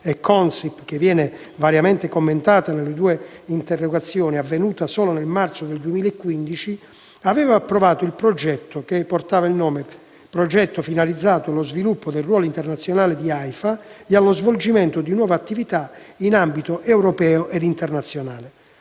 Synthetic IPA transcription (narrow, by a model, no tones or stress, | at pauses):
ɛkʰːɔnsipk̟evːjɛːne | vaɾjamɛnt̪ekomːent̪aːt̪anelːed̪uːeint̪erːoɡat̪sːjɔːniavːenuːt̪asɔːlonelmart̪sod̪eld̪uemiːlaɛkːwind̪it͡ʃi | avɛːvaːpːɾovaːt̪oilpɾod͡ʒɛt̪ːok̟epːort̪aːvailnɔːme | pɾod͡ʒɛt̪ːofinalid̪zːaːt̪oalozvilupːod̪elrwɔːloint̪ɛrnat̪sːjonaːled̪iajfaealozvold͡ʒimɛnt̪od̪inwɔːvaat̪ːivit̪ainambit̪oʔɛwɾɔpɛːoʔed̪int̪ɛrnat̪sːjonaːle